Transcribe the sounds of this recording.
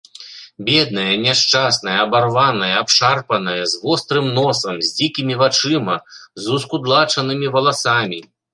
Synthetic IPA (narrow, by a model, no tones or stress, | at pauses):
bʲɛd̪̚nɐjɐnʲɛʂt͡ʂasnɐjɐːbarvanɐjɐapʂarpɐnɐjɐzvɔst̪ɾɨmnɔsɐmzʲd͡zʲikʲimʲivat͡ʂɨmɐzuskud̪lˠat͡ʂɐnɨmʲivɐlˠasamʲi